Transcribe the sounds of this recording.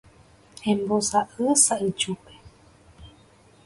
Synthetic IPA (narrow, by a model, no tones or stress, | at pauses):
ẽmbosaʔɨsait͡ʃupe̥